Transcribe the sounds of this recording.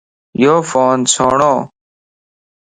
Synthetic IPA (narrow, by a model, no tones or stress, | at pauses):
joːfoːnsʰoːɳõː